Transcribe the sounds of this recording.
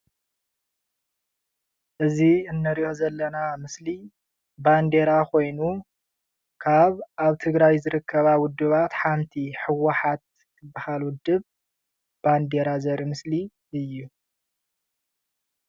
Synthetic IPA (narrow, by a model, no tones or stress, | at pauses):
ʔɨziɨnːɨɾiʔozɐlːɐnamɨsli | band̪e̞ɾakʰo̞jnu | kʰaβʔaβt̪ʰɨɡɾajzɨɾɨkʰːɐβawʊd̪ːɨβat̪ħamt̪ʰiħɨwɐħat̪̚ | kʰɨbːɨhalwʊd̪ɨβ | b̥and̪e̞ɾazɐɾimɨsli | ɨjːu